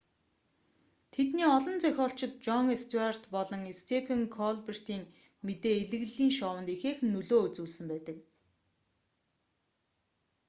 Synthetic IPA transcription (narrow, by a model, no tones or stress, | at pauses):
t̪ʰet̪niːɔɮɞ̆nt͡sœxʲɔːɬt͡ɕɪ̆t̪̚t͡ɕɔŋest̪ʰuar̥t̪pɔɮɞ̆ŋest̪ʰepʰeŋkʰɔɮper̥t̪iːŋ | met̪eːeɮɘ̆ɣɮiːŋʃɔːwə̆nt̪exeːxnːɵɮoːut͡suːɮsɘ̆mpæːt̪ə̆k̚